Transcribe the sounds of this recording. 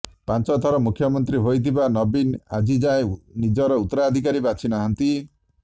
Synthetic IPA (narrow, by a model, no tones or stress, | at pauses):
pant͡ʃɔt̪ʰɔɾɔmukʰjɔmɔnt̪ɾiɦojt̪ʰibanɔbina̰d͡ʒid͡ʒaẽnid͡ʒɔɾɔut̪ːɔɾaːd̪ʱikaɾibat͡ʃʰinaɦant̪i